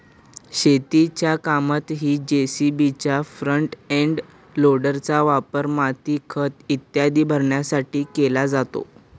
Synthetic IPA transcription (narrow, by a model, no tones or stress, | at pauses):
ɕet̪it͡ɕjakamat̪ɦiːd͡ʑesibit͡ɕjafɾəɳʈeɳɖ | loɽəɾt͡saʋapəɾmat̪iːkʰət̪it̪jad̪iːbʱəɾɳjasaʈiːkelad͡zat̪o̰